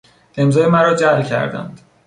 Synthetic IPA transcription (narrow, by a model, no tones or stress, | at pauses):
emzɒːjemæɾɒːd͡ʒæcʲʰæ̰ɾd̪æ̰nd̪̥